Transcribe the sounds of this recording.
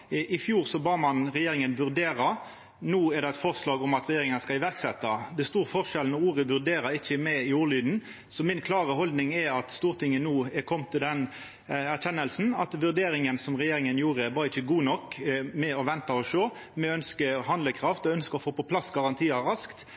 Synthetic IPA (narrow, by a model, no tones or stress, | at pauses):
ʔɪfjuːɾsɔbɑːmɑnʁɛjeːɾɪŋənʋʉɾd̪eːɾɑ | nuːɛɾd̪ɛɛɪt̪fɔʁslɑːɡɔmɑt̪ɾɛjeːɾɪŋənskɑɪʋæʁksɛt̪ːɑd̪ɛst̪uːɾfɔʁʂʃɛlnɔuːʁəʋʉɾd̪eːɾɑɪçːəmɛɪuːɾlyːd̪n̩ | sɔmɪnkʰlɑːʁəɦɔld̪nɪŋɛɾɑt̪st̪uːɾt̪ʰɪŋːənuːɛkʰɔmːt̪ʰɪld̪ɛn | æɾçɛnːəlsn̩ɑt̪ʋʉɾd̪eːɾɪŋənsɔmʁɛjeːɾɪŋənjuːɾəʋɑːɾɪçːəɡuːnɔkːmɛɔʋɛnt̪ɑɔʂøː | mɛœnskəhɑnd̪ləkʰɾɑft̪ɔœnskəɔfoːpɔpʰlɑsɡɑʁɑnt̪ʰiːɑɾɑskt̪